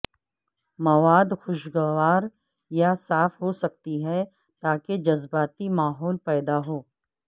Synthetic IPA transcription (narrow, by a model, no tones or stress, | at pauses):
mɐʋaːd̪xʊʃɡəʋaːɾ | jasaːfɦosɐk̚t̪iɦɛ | t̪aːked͡ʒɐzbaːt̪imaːɦɔːlpɛːd̪aɦoː